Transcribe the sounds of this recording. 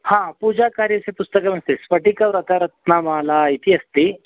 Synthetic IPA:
hãpud͡ʑakaɾjəsepust̪əkəməst̪esfəʈikəʋɾət̪aɾət̪̚namalait̪ʰiːəst̪i

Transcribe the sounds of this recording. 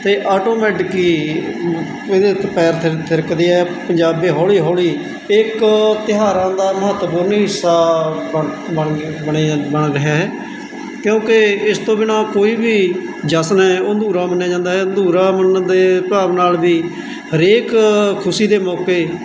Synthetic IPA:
t̪eːʔaːʈoːmɛːʈkːiː | ɪd̪eːt̪pɛːɾt̪ʰt̪ʰɪɾkd̪eːɛːpəɲd͡ʒaːbeːɦɔːliːɦɔːliː | ɪkt̪ɪɦaːɾãːd̪aːməɦət̪ːpuːɾnːɦɪsːaːbəbəɳebəɳɾəɦaːɦɛː | kjõːkeɪst̪õːbɪnãːkoːiːbiː | d͡ʒəsnɦɛːoːnd̪ʱuːɾãːmənːaːd͡ʒãːnd̪aːɦɛːnd̪uːɾãːmənd̪eːpaːʋnaːlbiː | ɦəɾeːkkʰʊsiːd̪eːmɔːkeː

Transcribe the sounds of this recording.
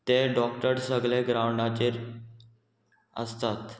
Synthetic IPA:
t̪eɖɔkʈəɾsəɡɭeɡɾawɳɖat͡ɕeɾ | ə̰st̪at̪

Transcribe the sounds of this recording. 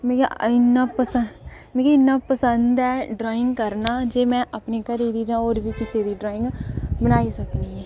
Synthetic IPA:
mẽːkḛɪnːaːpəsə | mɛ̃ːkeːɪnːaːpəsənd̪ɛːɖɾaːɪŋɡkəɾnaːd͡ʒeːmɛ̃ːʔəpneːkəɾiːd̪iːd͡ʒãːoːɾbiːkɪseːd̪iːɖɾaːɪ̃ŋɡbənaːiːsəkniːɛː

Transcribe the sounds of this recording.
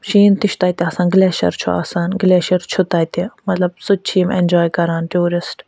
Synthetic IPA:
ʃiːnt̪iʃt̪aːt̪iɐsãːnɡlɛːʃɐ̰ɾt͡ʃʰua̰ːsaːnɡlɛːʃɐɾt͡ʃʰʊt̪aːjt̪imɐt̪lɐb̚sut͡ʃʰiːmɛ̰nʲd͡ʒɔːjkɐɾaːnʈuːɾɪsʈ

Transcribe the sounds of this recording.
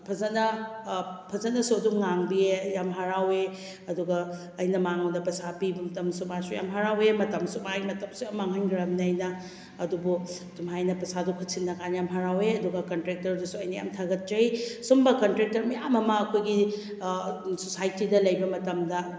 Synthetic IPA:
pʰɐzɐnɐ | pʰɐzɐnɐsuɐdumŋaŋbiejamɦaɾawe | ɐduɡɐː | jnɐmaŋɐwdɐpɐsʰapibɐmɐtɐmsumasuja̰mɦaɾawemɐtɐmsumajmɐtɐmsuɐmaŋɦanɡɾɐmnɐːjnɐ | ɐdubu | tumajnɐpɐsadukʰutsinːɐkʰanjamɦaɾaweɐduɡɐkɐntɾek̚tɐɾdusuɐjnɐja̰mtʰaɡɐt̚t͡ʃɐjsumbɐkɐntɾek̚tɐɾmɐjamɐmɐːkʰojɡi | sosajtidɐlɐjbɐmɐtɐmdɐ

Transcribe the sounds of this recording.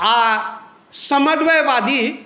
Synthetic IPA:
a | sɐmɐd̪ʋɐjʋaːd̪i

